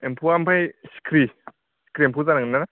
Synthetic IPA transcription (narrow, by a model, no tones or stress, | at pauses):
empʰuampʰajsi̥kʰɾi | si̥kʰɾiempʰuzanaŋnana